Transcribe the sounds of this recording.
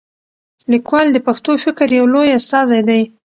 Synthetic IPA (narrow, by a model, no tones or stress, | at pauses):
likwɑld̪əpaxt̪ofɪkɾjawlojast̪ɑzajd̪aj